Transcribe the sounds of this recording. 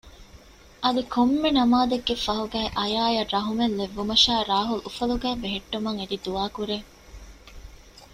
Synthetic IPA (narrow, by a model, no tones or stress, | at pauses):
ʔɐd̪ikʰomːenɐmaːd̪eɡːefɐɦuɡæːʔɐjaːjɐrɐɦumelːeʋːumɐʃæːɾaːɦulufɐluɡæːbeɦeʈːumɐŋed̪id̪uʋaːkuɾeː